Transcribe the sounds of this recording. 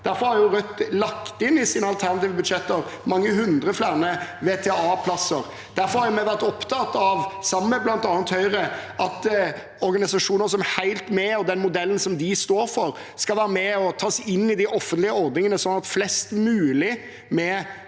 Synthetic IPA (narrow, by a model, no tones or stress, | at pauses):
d̪̥æɾfɔɾhɑɾjʊɾœt̪lɑkt̪ɪnɪsiːnəɑlt̪ʰæʁnɑt̪iːʋəbʉd̪ʂɛt̪ːəɾ | mɑŋːəhʉnd̪ɾəflæːʁnəʋeːt̪ʰɛɑːpʰlɑsəɾ | d̪̥æɾfɔɾhɑɾjʊmɛɪʋæɾt̪ɔpt̪ʰɑt̪ɑʋsɑmːməblɑnt̪ɑːnət̪hœʏɾəʔɑt̪ | ɔɾɡɑnɪsɑʂuːnəɾs̬ɔmhæɪlt̪mɛɔd̪ɛnmʊd̪ɛlən̩sɔmd̪ɪst̪oːɾfɔɾ | skɑlʋæːɾəmɛɔt̪ʰɑːsɪnːɪd̪ɪʔɔfːənt̪lɪəɔɾd̪nɪŋənəsɔnːɑt̪flɛst̪mʉːlɪ | mɛ